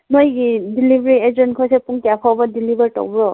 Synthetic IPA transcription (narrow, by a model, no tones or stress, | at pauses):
nɔjdilibɹiɛzɔnkʰɔjsɛpuŋtiapʰɔbadilibaɹtɔ̰bɹɔ